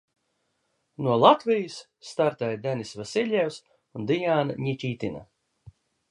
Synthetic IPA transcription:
nuɔlˠat̪vijɨsː | t̪aɾt̪ɛjd̪ɛnisvasʲilʲɛws | und̪ijaːnaɲicʲiːt̪ina̰

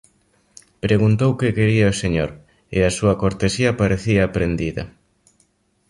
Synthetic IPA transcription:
pɾeɣunt̪owkekeɾiaoseɲo̰ɾ | ḛasuɐkoɾt̪esiɐpaɾeθiɐːpɾend̪iðɐ̰

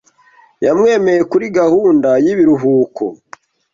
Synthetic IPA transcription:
jamŋe̞ːme̞jekuɾiɡahuːndajiβiɾuɦuːko̰

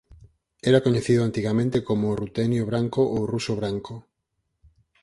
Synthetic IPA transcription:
ɛɾakoɲeθiðʊant̪iɣamẽnt̪ekomorut̪ɛnjoβɾaŋkoʔowrusoβɾaŋko

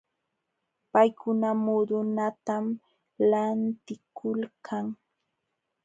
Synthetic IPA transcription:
pajkʊnamod̪ʊnat̪am | lant̪ɪkʰʊlkʰaŋ

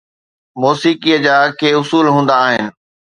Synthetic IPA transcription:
moːsiːkiəd͡ʑaːkʰeːʊsuːlɦũːn̆d̪aːɦɪnɪ̆

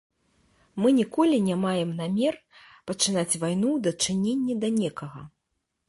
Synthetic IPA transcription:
mɨnʲikɔlʲinʲamajɛmnamʲɛr | pɐt͡ʂɨnat͡sʲvajnud̪ɐt͡ʂɨnʲenʲːɛd̪ɐnʲɛkɐɣɐ

